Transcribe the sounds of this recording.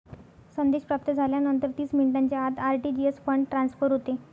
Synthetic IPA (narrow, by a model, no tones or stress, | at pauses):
sənd̪eɕpɾap̚t̪əd͡zʱaljanənt̪əɾt̪iːsmiɳiʈãɲt͡ɕead̪aɾʈid͡ʑiesfəɳʈʈːɾansfəɾɦot̪e